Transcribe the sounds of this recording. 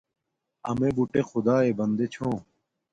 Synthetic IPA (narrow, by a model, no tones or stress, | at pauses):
ɐ̰meːbuʈeːxʊd̪aːeːbɐnd̪eːt͡ɕʰõː